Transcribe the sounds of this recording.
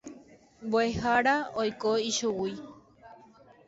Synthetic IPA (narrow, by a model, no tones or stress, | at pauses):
mboehaɾaojkoiʃuwi